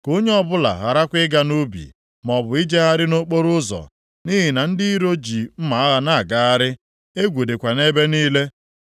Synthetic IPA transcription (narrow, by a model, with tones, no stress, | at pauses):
ko˦ɲe˦ɔ˦bʊ˦la̰˨ɣa˨ɾa˦kʷɪ˦ɡa˦nu˦bḭ˨ | mɔ˨bʊ˨i˦d͡ʒe˦ɣa˦ɾɪ˦no˦k͡po˦ɾʊ˦zɔ̰˨ | ni˦ɦi˨na˨n̩˦dɪ˦i˦ɾo˦d͡ʒi˨m̩˦ma˨˦a˦ɣa˨na˦˨ɡa˦a˦ɾɪ˦ | e˦ɡʷu˨de˨kʷa˨ne˦be˦niː˦le˦